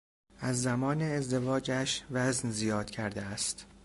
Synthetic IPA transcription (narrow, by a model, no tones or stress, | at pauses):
ʔæzːæmɒːneːzd̪e̞vɒːd͡ʒæʃvæznzijɒːd̪̥cʰæɾd̪eæst̪